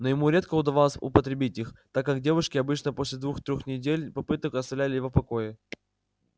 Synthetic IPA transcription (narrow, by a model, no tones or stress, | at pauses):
nojɪmuɾʲe̞t̪̚kəʊd̪ɐvɑlˠəsʲʊ̰pət̪ɾʲɪbʲitʲixt̪akːakdʲe̞vʊʂkʲɪɐbɨt͡ɕnəpo̞sʲlʲɪd̪vuxt̪ɾʲoxnʲɪdʲelʲpɐpɨt̪əkɐst̪ɐvlʲælʲɪjɪvopɐko̞jɪ